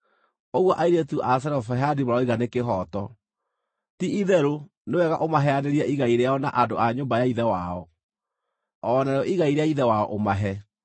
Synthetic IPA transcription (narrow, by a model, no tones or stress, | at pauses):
oɣwɔʔaiɾetuʔas̬ɛɾɔfɛɦadimoɾaɔiɣanekeɦɔtɔ | tiʔiðɛɾo | newɛɣaʔomaɦɛaneɾiaʔiɣaiɾeaɔna̰ʔadoʔaɲoːmbajaiðɛwaɔ | ɔnaɾeɔʔiɣaiɾeaiðɛwaɔʔomaɦɛ